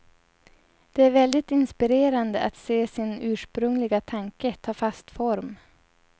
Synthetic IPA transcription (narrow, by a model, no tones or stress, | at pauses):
d̪̥ɛæɾvɛld̪ɪt̪ɪnspɪɾeːɾand̪əʔat̪seːsɪnʉ̟ːʂpɾɵŋlɪɡat̪ʰaŋkət̪ʰɑːfast̪fɔɾm